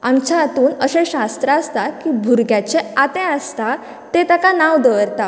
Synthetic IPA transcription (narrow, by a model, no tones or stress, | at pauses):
amt͡ɕaːt̪uːnəɕẽɕast̪ɾəəst̪akibʱuɾɡjat͡ɕeat̪ẽəst̪a | t̪et̪akanaʋd̪əʋəɾt̪a